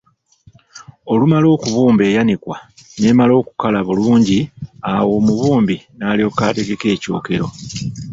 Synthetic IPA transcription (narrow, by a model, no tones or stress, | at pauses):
o̞lumalo̞ːkuβuːmbe̞ːjanikwane̞ːmalo̞ːku̥kalaβuluːɲɟiawo̞ːmuβuːmbinaːliokaːte̞ɡe̞ke̞ːco̞̰ːke̞ɾo̞̰